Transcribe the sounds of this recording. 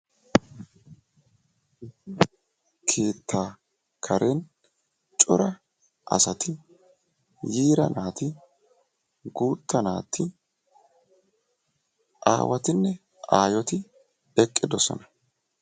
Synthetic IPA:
ɪsɪ | kʰe̞ːt̪ːaː | kʰɐɾʔen | t͡ʃʼʊ̰ɾɐ | ʔɐ̰sɐt̪ɪ | jiːɾɐ̰naːt̪ɪ | ɡuːt̪ːɐna̰ːt̪ʰːɪ | ʔa̰ːwɐt̪ɪnːɛ | ʔaːjɔt̪ɪ | ɛkʼːɪd̪ɔsɔ̰nɐ

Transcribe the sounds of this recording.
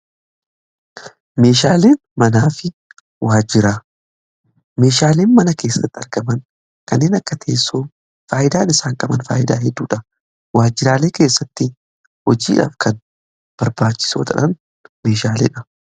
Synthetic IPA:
me̞ːʃaːle̞ːn | mɐnaːfɪ | waːd͡ʒɪɾaː | me̞ːʃaːle̞ːnmɐnɐke̞ːsːɐt̪ːɪɐɾɡɐmɐn | kɐnːe̞ːnɐkːɐt̪ʰeːsːoː | faːʔɪd̪aːnɪsaːŋkʼɐbɐnfa̰ːʔɪd̪a̰ːɦɛd̪ːuːᶑɐ | waːd͡ʒːɪɾaːle̞ːke̞ːsːɐt̪ːɪ | hɔd͡ʒiːᶑa̰ːfkʰɐn | b̥ɐɾbaːt͡ʃːɪ̥so̰ːt̪ɐᶑɐn | me̞ːʃaːleːᶑɐ

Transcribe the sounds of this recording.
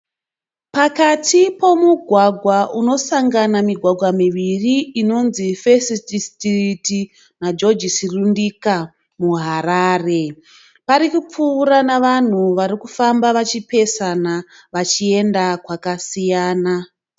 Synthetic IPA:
pakatʰipo̞muɡʱwaɡʱwaʔuno̞saŋɡanamiɡʱwaɡʱwamiʋiriːno̞nzifesististiriti | nad͡ʒo̞d͡ʒisirundika | muɦaɾaːre̞ | paɾikup͡fuːɾanaʋan̤uʋaɾikufambaʋat͡ʃipe̞sana | ʋat͡ʃie̞ndakwakasijaːna

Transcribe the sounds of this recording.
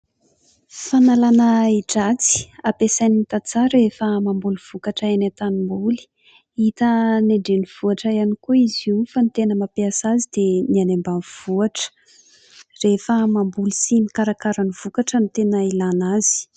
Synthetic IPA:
fanalanaiʈ͡ʂat͡si̥apesanit̪at͡saɾefəmambuluv̥ukaʈ͡ʂaenat̪animbuli̥ | it̪əneɳɖ͡ʐeniv̥uaʈ͡ʂajanikuizifanit̪enəmapiasazid̪̥enianembanv̥uaʈ͡ʂə̥ | refəmambulusinikaɾakaɾaniv̥ukaʈ͡ʂənit̪enailanazi̥

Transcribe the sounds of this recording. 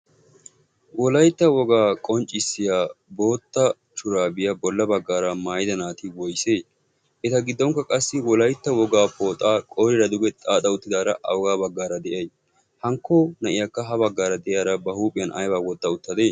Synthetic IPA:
wɔlɐjt̪ːɐwɔɡaːkʼɔnt͡ʃʼːɪsːɪjaːbo̞ːt̪ːɐ | t͡ʃʊɾaːbɪjɐbɔlːɐbɐɡːaːɾɐmaːjɪd̪ɐnaːt̪ɪwɔjseː | ʔɛt̪ɐɡɪd̪ːɔŋkːɐkʼɐsːɪwɔlɐjt̪ːɐwɔɡaːpoːt̪ʼaːkʼoːɾɪɾɐd̪ʊɡɛt̪ʼaːt̪ʼɐʊt̪ːɪd̪aːɾɐʔɐ̰wɡaːbɐɡːaːɾɐd̪ɛʔɐj | hɐŋkːoːnɐʔɪjakːɐɦɐbɐɡːaːɾɐd̪ɛʔjaːɾɐbɐhuːpʼɪjɐnɐ̰jbaːwɔt̪ːɐʊt̪ːɐd̪e̞ː

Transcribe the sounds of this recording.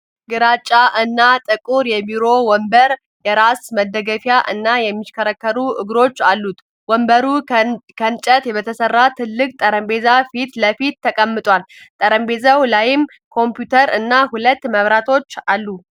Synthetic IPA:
ɡɨɾat͡ʃʼːaʔɨnːat̪ʼɨkʼuɾjɛbiɾo̞wɔmbəɾ | jɛɾasməd̪əɡəfjaʔɨnːajɛmːiʃkʰəɾəkːəɾuʔɨɡɾo̞t͡ʃːalːut̪ | wɔmbəɾukʰənt͡ʃʼət̪jɛbət̪ʰəsərːat̪ʰɨlːɨkʼt̪ʼəɾəmbe̞zafit̪ləfit̪ːəkʼəmːɨt̪ʼwalt̪ʼəɾəmbe̞zəwlajɪm | kʰo̞mpjut̪ʰəɾɨnːahulət̪ːməβɾat̪ʰo̞t͡ʃːalːu

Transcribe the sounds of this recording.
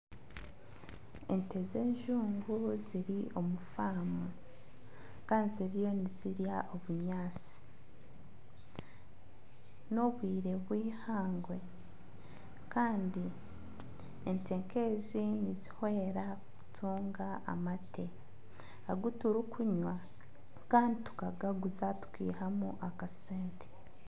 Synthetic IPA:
e̞nte̞ze̞ːɲʒuːŋɡuziɾio̞mufaːmu | kaːndiziɾijo̞niziɾjaʔo̞βuɲaːt͡si̥ | no̞βwiːɾe̞βwiːhaːŋɡwe̞ | kaːndi | ente̞ːŋke̞ːzinizihwe̞ːɾakutʰuːŋɡaʔa̰matʰe̞ | aɡutuɾukʰuɲwa | kaːnditu̥kaɡaɡuzatu̥kḭːɦamuʔakaseːnte̥

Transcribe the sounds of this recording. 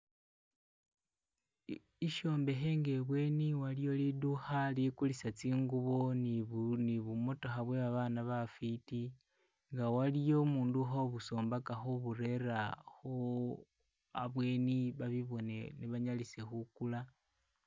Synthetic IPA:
iʃo̞ːmbe̞xe̞ːŋɡe̞βwe̞ːniwalijo̞liduxalikulisat͡siːŋɡuβo̞nniβumo̞to̞xaβwe̞βaβanaβafiti | ŋɡawalijo̞muːnduxoβuso̞ːmbakaxoβure̞raxo | a̰βwe̞niβaβiβo̞neniβaɲalise̞xukula

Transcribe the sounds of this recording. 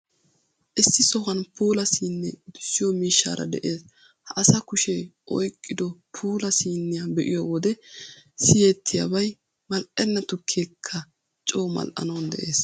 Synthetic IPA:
ʔɪsːɪsɔɣɐnpʰuːlɐsiːnːɛd̪ʊ̥sːɪjɔmiːʃːa̰ːɾʔɐ̰d̪ɛʔeːs | hɐʔɐsɐkʊʃɛʔɔjkʼːɪd̪ɔpʰuːlɐsiːnːɪjabɛʔɪ̰jowɔd̪ɛsɪjeːt̪ʰːɪja̰bɐj | mɐlʔɛnːɐt̪ʊkʰːeːkʰːɐ | t͡ʃʼoːmɐ̰lʔɐ̰nɐwnd̪ɛ̰ʔeːs

